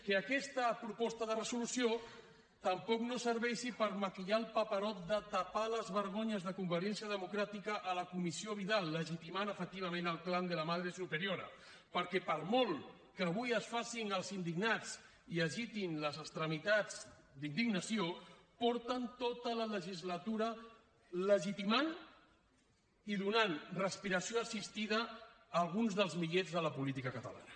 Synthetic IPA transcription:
kəːkɛst̪əpɾupɔst̪əðərəzulusio | t̪əmpɔknosəɾβɛʃipəɾməkiʎalˠpapəɾɔt̪̚d̪ət̪apaləzβəɾɣ̞oɲəzðəkumbəɾiɛnsijəðəmukɾat̪ikəʔːləkumisioβiðalˠːəʒit̪imanəfək̚t̪iβəmẽnəlˠkland̪ələmaðɾesupəɾioɾə̰ | pəɾkɛpəɾmɔlˠ | kəːβ̞ujəsfasinəlˠzind̪iɡnat͡s | iəʒit̪inləzəst̪ɾəmit̪ad͡z | d̪ind̪iɡnəsiopɔɾt̪ənt̪ot̪ələləʒizlət̪uɾə | ləʒit̪iman | iðunanrəspiɾəsioəsist̪iðəː | lˠɣ̞unzðəlˠzmiʎezðələpulit̪ikəkət̪ə̰la̰nə

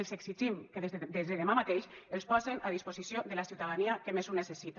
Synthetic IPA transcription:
elˠzeksid͡ʒimkeðezd̪ezðeðemamat̪eʃelˠspɔzenʔaðispozisjoðelasiwt̪aðaniakemezunesesit̪a

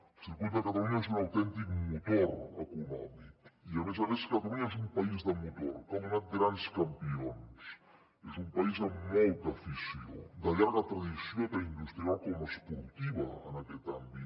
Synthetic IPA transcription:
sekut̪akat̪aluɲaes̬unawt̪ɛnt̪ikmut̪oɾa̰kunɔmiiaβez̬aβeskat̪aluɲaes̬umpaizd̪amut̪o̰ɾkomunat̪̚ɡɾanskampions | esumpais̬amowt̪afisio̰d̪aʎaɾɣat̪ɾaðisjopaind̪ust̪ɾialkomaspuɾt̪iβaa̰naket̪ambi

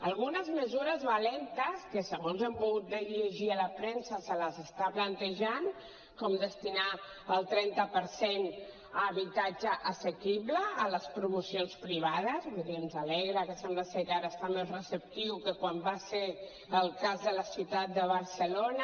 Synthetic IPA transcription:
əlˠɣunəzməzuɾəzβəlɛnt̪əskəsəɣonzɛmbuɣut̪̚d̪əʎiʒiələpɾɛnsəsələzəst̪aplənt̪əʒan | kɔmd̪əst̪ina | əlˠt̪ɾɛnt̪əpəɾsen | əβit̪ad͡ʒəʔːsəkiβləːləspɾumusionspɾiβ̞aðəzβuiðinzalɛɣɾəkəsɛmblasekaɾəst̪amezrəsəp̚t̪iwkəkwambase | əlˠkazðələsiwt̪at̪̚d̪əβəɾsəlonə

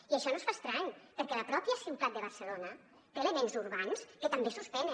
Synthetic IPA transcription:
iəʃɔnosfast̪ɾaɲpəɾkɛləpɾɔpiəsiwt̪at̪̚d̪əβərsəlonə | t̪eləmenzurβanskət̪əmbesuspɛnə

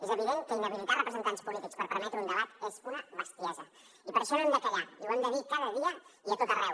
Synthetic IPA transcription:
ezəβ̞iðeŋkənd̪əβilit̪arəpɾəzənt̪anspulit̪ikspəɾpəɾmɛt̪ɾəunəβat̪espuɾəβəst̪jazə | ipəɾʃɔnoemd̪əkəʎaiuemnd̪əðikaðəðiəiət̪ot̪ərɛw

